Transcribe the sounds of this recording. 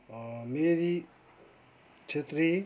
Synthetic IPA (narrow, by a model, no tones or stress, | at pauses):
meɾi | t͡ʃʰet̪ɾi